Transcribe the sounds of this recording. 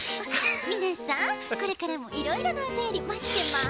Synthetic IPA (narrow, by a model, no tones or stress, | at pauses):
mʲinasãko̞ɾe̞kaɾamo̞ʔiɾo̞iɾo̞naot̪ajo̞ɾʲimat̪ːe̞ma